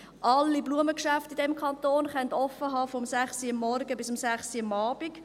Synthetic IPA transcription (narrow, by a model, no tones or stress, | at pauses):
ʔɑlːibluəməkʃæftidɛmkʰɑnt̪oːnχœntɔfːəɦɑːfɔmsæχsiɑmːɔɾɡəbɪsʊmsæχsiɑmɑːb̥ik